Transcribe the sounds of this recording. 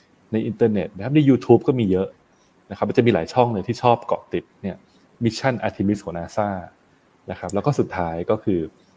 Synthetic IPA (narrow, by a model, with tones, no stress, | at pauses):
na˧jʔi˧nt̪ɤː˧ne˨˩t̪̚na˦˥kʰa˦˥p̚na˧jːuː˧t̪ʰuː˦˥p̚kɔː˥˩miː˧jɤ˦˥ʔ | na˦kʰp̚ma˧˩t͡ɕa˨˩miː˧laː˩˦jt͡ɕʰɔ˥˩ŋnɯ˧t̪ʰiː˥˩t͡ɕʰɔː˥˩p̚kɔ̰˨˩t̪i˨˩t̪̚ni˥˩ɐ | mi˦˥t͡ɕʰa˥˩nʔaː˧t̪ʰiː˧mi˦˥shʰo˩˦naː˧saː˥˩ | na˦˥kʰɾa˦˥plɛː˦˥wkɔː˥˩su˨˩t̪ʰːaː˦˥jkɔː˥˩kʰɯː˧